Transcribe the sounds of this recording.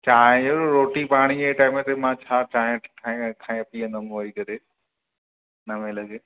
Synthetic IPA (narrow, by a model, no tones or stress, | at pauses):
t͡ɕaːɦɪ̃ɾoːʈipaːɽ̃ieiʈaːɪmẽt̪ʰemãt͡ɕʰaːt͡ɕaːɦɪ̃kʰãkʰãːĩpiːənəmoːikɐɾe | nɐmẽlɐɡeː